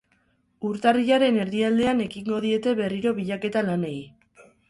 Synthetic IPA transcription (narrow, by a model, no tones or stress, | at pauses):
uɾt̪ariʎaɾe̞ne̞ɾðiald̪e̞ane̞kiŋɡo̞ðie̞t̪e̞βe̞riɾo̞βiʎake̞t̪alane̞j